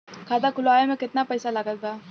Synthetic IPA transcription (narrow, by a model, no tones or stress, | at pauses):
kʰaːd̪akʊlaːjemẽkɪt̪napɐɪsalɐɡət̪̚ɡaː